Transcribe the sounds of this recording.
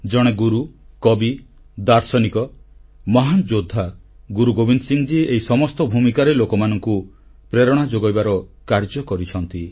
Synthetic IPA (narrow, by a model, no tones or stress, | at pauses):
d͡ʒɔɽ̃eɡuɾukɔbi | d̪aɾsɔnikɔmɔɦand͡ʒod̪ʱːa | ɡuɾuɡobinsiŋd͡ʒieɦisɔmɔst̪ɔbʱumikaɾelokɔmanɔŋku | pɾeɾɔɽ̃ad͡ʒoɡɔjbaɾɔkaɾd͡ʒɔkɔɾit͡ʃʰɔnt̪i